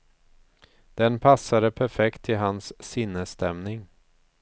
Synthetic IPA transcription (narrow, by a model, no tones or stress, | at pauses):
d̪̥ɛnpʰasːad̪əpʰæɾfɛkt̪ʰːɪlɦansːɪnːəst̪ɛmnɪŋ